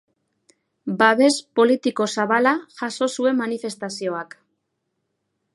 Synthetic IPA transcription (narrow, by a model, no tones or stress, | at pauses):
baβe̞spo̞lit̪iko̞saβalaʝaso̞sue̞mːanife̞st̪asio̞ak